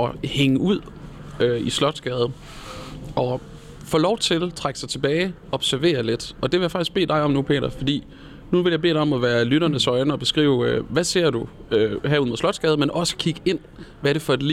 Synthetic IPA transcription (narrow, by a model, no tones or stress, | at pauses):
ɒheŋəuð̰ˠ | øislɒ̽d̥sɡ̥ɛːð̞ˠə | ʔɒ̽ | fɔ̰ːlɒʊt͡sʰe̝lt͡sʰʁaɡ̥əsɑ̈ɪt͡sʰe̝b̥ɛːɪ | ɒ̽b̥sæɐʋe̝̰ːɐle̝d̥ɒ̽d̥e̝ʋe̝jäfɑ̈ɡ̥is̚be̝̰ːd̥ɑ̈ɪɒ̽mnupʰe̝̰ːɾ̥ɐfɒ̽d̥ḭː | nuʋe̝ljɑ̈be̝̰ːɾɒ̽mɒʋæːɐlyɾɐnəsɒ̽ɪnəɒ̽b̥e̝sɡ̥ʁḭːʊøʋæse̝ɐ̰d̥uøhæɐuðˠmoðˠlɒ̽d̥sɡ̥ɛːð̩ˠmenʔɒ̽sə̥kʰiɡ̥əe̝n̰ | ʋæɐɾ̥e̝fɒ̽d̥li